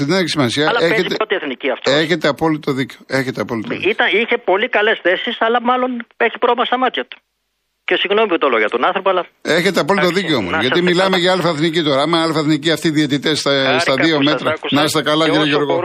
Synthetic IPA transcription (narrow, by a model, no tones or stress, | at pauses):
ineneçisimɐsiɐleezit̪eot̪ieθniciɐft̪oeçe̞t̪e̞ɐpo̞lit̪o̞ðiceoe̞çet̪eɐpo̞lit̪oit̪ɐiçe̞po̞likɐle̞sθe̞sisɐlɐmɐlo̞neçi̥pɾomɐst̪ɐmɐt̪çɐt̪u̥ | cesiɣnomiput̪oloʝɐt̪onɐnθɾopoɐlɐeçe̞t̪eɐpo̞lit̪oðiceoo̰mo̰ʝɐt̪imilɐmeʝɐɐlifɐθnicit̪o̞ɾɐɐmɐɐlifɐθniciɐft̪iðiet̪it̪est̪ɐsɐðio̞met̪ɾɐsnɐst̪ɐkɐlɐciɾiʝoɾɣo